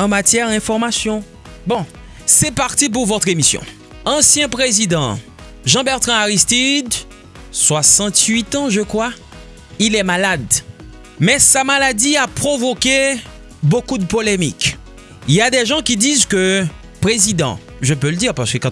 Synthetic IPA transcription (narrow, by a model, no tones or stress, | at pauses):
ɑ̃mat̪jɛʁd̪ɛ̃fɔʁmasjɔ̃ | bɔ̃ | sɛpaʁt̪ip̬uʁvɔt̪χemisjɔ̰̃ | ɑ̃sjɛ̃pʁezid̪ɑ̃ | ʒɑ̃bɛʁt̪χɛ̃aʁist̪id̪ | swasɑ̃t̪ɥit̪ɑ̃ʒəkχwa | ilɛmalad̪ | mɛsamalad̪iapχovokʲe | bokud̪əpolemḭk | iljad̪ɛʒɑ̃kʲid̪izkø | pχezid̪ɑ̰̃ | ʒəpøləd̪iʁpaʁsə̥køkɑ̃